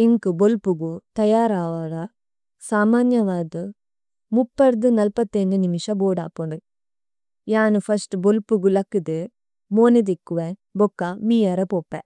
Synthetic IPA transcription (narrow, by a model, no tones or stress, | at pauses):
iŋkubolpuɡut̪ɐjaːɾaːʋaːɾɐ | saːmaːnjɐʋaːd̪ɨ | mupːɐɾd̪unɐlpɐt̪ːend̪unimiʂɐboːɖaːpːoɳɖu | jaːnupʰɐsʈbolpuɡulɐkːid̪e | moːned̪ikːuʋebokːɐmiːjɐɾɐpoːpːḛ